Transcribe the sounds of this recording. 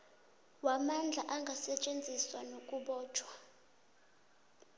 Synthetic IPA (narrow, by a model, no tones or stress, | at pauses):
wamand͡ɮʱaʔaŋɡʱasɛt͡ʃʼend͡zʱiswanokʼuɓɔːt͡ʃʰʼwa